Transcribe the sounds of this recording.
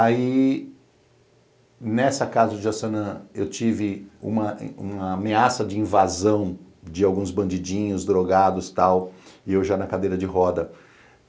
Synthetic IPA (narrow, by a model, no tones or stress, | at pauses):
ai | nɛsɐkazɐd͡ʒɪasɐ̃nɐ̃ewt͡ʃivɪṵ̃mɐṵ̃mɐːmeasɐd͡ʒɪĩvazɐ̃w̃d͡ʒɪawɡũzbɐ̃nd͡ʒid͡ʒĩɲʊzd̪ɾoɡad̪ʊst̪awɪewʒanɐkad̪ejɾɐd͡ʒɪɦɔd̪ɐ